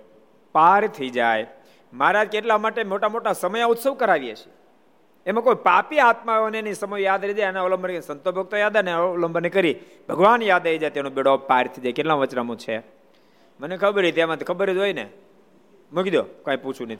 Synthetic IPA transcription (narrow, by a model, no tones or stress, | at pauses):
paɾt̪ʰəid͡ʒaj | maɾad͡ʒkeʈlamaʈemoʈamoʈasəməjaʊt̪səʋkəɾaʋiḛt͡ʃʰe̥ | emãkojpapiat̪̚maeoneenisəməjjad̪ɾid͡ʒajanaoləmbənsənt̪obʱok̚t̪ojad̪aneoləmbʱənekəɾi | bʱəɡʋanjad̪əid͡ʒajt̪enõbeɽopaɾt̪ʰəid͡ʒajkeʈlãʋət͡ʃnamõt͡ʃʰe | mənekʰəbəɾit̪amãt̪ikʰəbəɾid͡ʒojnḛ | mukid̪jokãĩput͡ʃʰũne